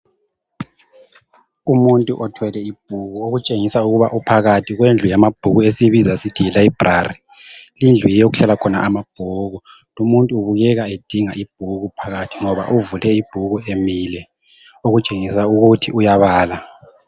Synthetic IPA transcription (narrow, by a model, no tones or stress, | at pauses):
umuntʼuʔɔtʰwɛlɛib̥ʱuɣuoɣut͡ʃʼeŋisauɣuβaʔupʰaɣatʰiɣwend͡ɮʱujamab̥ʱuɣuesiβizasitʰiɛlaib̥ʱrari | lind͡ɮʱujɛjoɣuɬalakʰɔna̰ʔamab̥ʱuːɣu | lumuntʼuːβuɣɛɣaed̥ʱiŋaʔib̥ʱuɣupʰaɣatʰiŋɔβa̰ʔuvulɛib̥ʱuɣuemilɛ | oɣut͡ʃʼeŋisauɣutʰiʔujaβaːla